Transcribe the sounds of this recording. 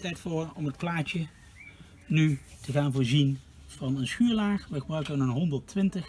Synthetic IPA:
tɛjtfʊːɹɔmɦət̚plaːt͡ʃə | nytəχaːnvʊːɹzin | v̥ɑnənsχyːɹlaːχʋɛχbœwkənənɦɔndəɹtʋɪntəx

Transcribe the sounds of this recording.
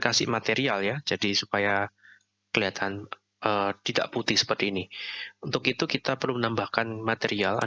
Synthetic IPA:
kasɪ̰mat̪eɾialjad͡ʒadisupaja | kəliat̪ʰan | ʔəːt̪ida̰ʔput̪ɪhsə̥pərt̪iːniunt̪ʊkit̪ukit̪apərlumənambahkanmat̪eɾiala̰

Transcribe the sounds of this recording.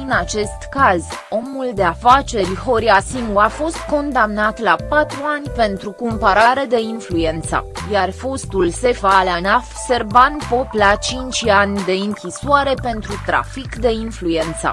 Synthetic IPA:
ɨnat͡ʃe̞st̪kazo̞muld̪e̞afat͡ʃe̞rʲho̞ɾiasinuafo̞st̪ko̞nd̪amnat̪lapat̪ɾuanʲpe̞nt̪ɾukumpaɾaɾe̞d̪e̞influe̞nt̪sə̰jarfo̞st̪ulse̞falanafse̞rvanpo̞plat͡ʃint͡ʃʲanʲd̪e̞ɨŋkʲisoaɾe̞pe̞nt̪ɾut̪ɾa̰fikd̪e̞influe̞nt̪sə̰

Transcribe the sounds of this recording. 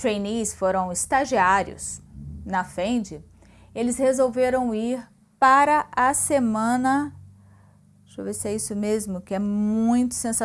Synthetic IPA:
t̪ɾẽjnisfoɾɐ̃w̃ɪst̪aʒiaɾjʊ̰snɐfẽd͡ʒɪ | elɪshezowveɾɐ̃w̃iɾ | paɾɐʔɐsemɐ̃nɐ | ʃovesɪɛisʊmezmʊkɪɛmmũj̃t̪ʊ̥sẽsa

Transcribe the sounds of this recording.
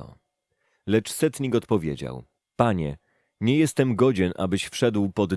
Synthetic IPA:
ɔ̰ | lɛt͡ʂsɛt̪ɲikɔt̪pɔvʲjḛd͡ʑa̰w | paɲɛ̰ | ɲɛjɛst̪ɛmɡɔd͡ʑɛnʔa̰bɘɕfʂɛd̪wpɔd̪

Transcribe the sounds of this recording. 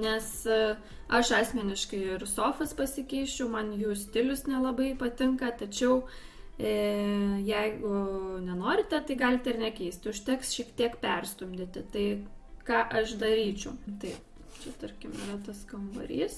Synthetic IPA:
nʲɛs | ɐʃɑːsʲmʲɛnʲɪʃkɐɪɪrsoːfɐspɐsʲɪkʲɛɪʃʲt͡ʃʲɛʊmɐnjuːsʲt̪ʲɪlʲʊsnʲɛlˠɐbɐɪpɐt̪ʲɪŋkɐt̪ɐt͡ʃʲɛʊ | jɛɪɡʊnʲɛnoːɾʲɪt̪ʲɛt̪ɐɪɡɑːlʲɪt̪ʲɪrnʲɛkʲɛɪsʲt̪ʲʊʃt̪ʲɛksʃʲiːkt̪ʲiɛkpʲɛrsʲt̪ʊmʲd̪ʲɪt̪ʲɪt̪ɐɪkɑːʔɐʃd̪ɐɾʲiːt͡ʃʲɛʊt̪ɐɪp | t͡ʃʲɛt̪ɐɾʲkʲɪmɪ̰rɐt̪ɐskɐmbɐ̰ɾʲiːs

